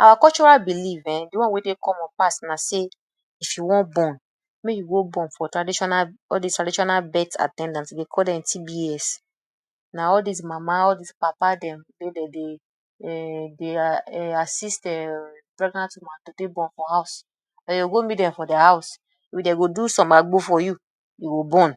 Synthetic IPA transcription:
awakɔlt͡ʃɔɹalbilivɛ̃diwɔ̃nwedekʰɔ̃mɔ̃npastnase | ifjuwɔ̃nbɔ̃n | mejuɡobɔ̃nfɔtɹadiʃɔnaɔldistɹadiʃɔnalbɛta̰tɛ̃ndãntsdekʰɔldɛ̃mtʰibiɛs | naɔldis̬mamaɔdispapadɛ̃mwedede | deasistɛpɾɛɡnãntumatodebɔ̃nfɔhaʊs | ɛjoɡomitdɛ̃fɔdɛhaʊs | ifideɡodusɔ̃maɡ͡bofɔju | juɡobɔ̃n

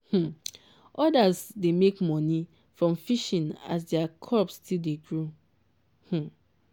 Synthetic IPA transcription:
h̩ | ʔɔdasdemekmɔ̃ni | fɹɔ̃mfiʃĩna̰s̬dɛakʰɔpstʰildeɡɹu | h̩

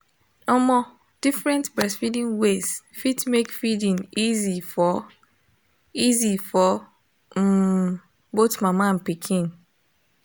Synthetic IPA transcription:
ɔmɔ | d̥ifɹɛ̃ntbɹɛsfidĩnwezfitmekfidĩnizifɔ | izifɔ | botmamaãnpikʰĩn

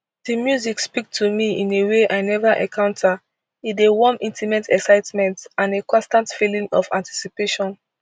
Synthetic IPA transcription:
dimjuzikspik̚tʰumiĩneweʔaɪnɛvaʔɛ̰̃kʰãʊ̃ntʰa | idewɔmĩntimɛ̃ntʰɛksaɪtmɛ̃ntãnekʰɔ̃stãntfilĩŋɔfã̰nti̥sipeʃɔ̃n

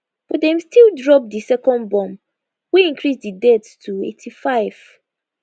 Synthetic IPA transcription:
fɔdɛ̃mstʰildɹɔp̚disɛkɔ̃nbɔ̃m | wiĩŋkʰɹisdidɛtstʰuḛtʰifaɪv̥

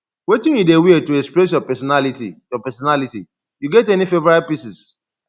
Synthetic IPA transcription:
wetĩnjudewietuɛkspɾɛs̬jɔpɛsɔnalitijɔpɛsɔnaliti | juɡɛtɛnifevɛɾapisis

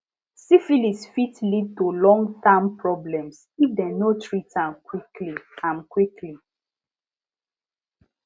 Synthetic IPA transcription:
sifilisfitlid̚tulɔ̃ŋɡtãmpɹɔblɛ̃ms | ifdɛnotʰɹitãmkwikliãnkwikʰli

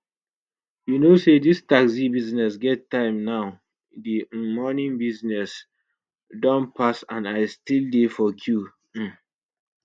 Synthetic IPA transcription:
junosedistaksibiznɛsɡɛtːãɪ̃mnaʊ | dimɔnĩŋbiznɛs | dɔ̃npʰasãnaɪstildefɔkʰju

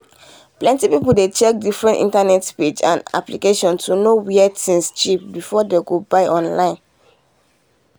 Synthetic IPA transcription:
plɛ̃ntipipuldet͡ʃɛk̚difɹɛ̃ntḭ̃ntanɛtped͡ʒã̰na̰plikeʃɔ̃ntʰunowiɛtʰĩnst͡ʃip̚bifɔdeɡobaɪʔɔ̃nlãɪ̃n

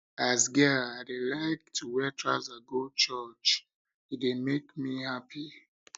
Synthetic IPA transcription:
azɡɛaɪdelaɪk̚tʰuwɛtʰɹa̰zaɡot͡ʃət͡ʃ | it̚emekmihapʰi

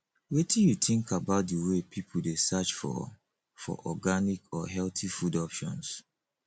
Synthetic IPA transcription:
wetĩjutĩŋkʰabaʊt̚dəwepʰipʰuldesat͡ʃfɔ̰ | fɔ̰ʔɔɡanikɔɦɛltifudɔpʃɔ̰̃ns

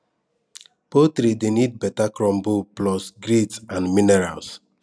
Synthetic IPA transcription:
potɾidenid̚bɛtakɾɔ̃mbuplɔsɡɾidsãnminɛɾa̰ls

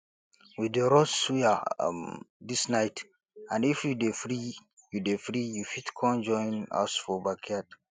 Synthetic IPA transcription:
wideɾɔssuja̰ | disnajt | ãnifjudefɾi | judefɾijufitkʰɔ̃nd͡ʒɔ̃j̃na̰sfɔbakʰad

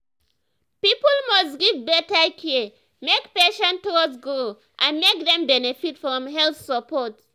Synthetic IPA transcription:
pipɔlmɔstɡivbɛtakʰɛ | mekpeʃɔ̃ntɔsɡɹo | ʔãnmek̚ðɛ̃mbɛnefitfɹɔ̃mɦɛlθsəpʰɔt

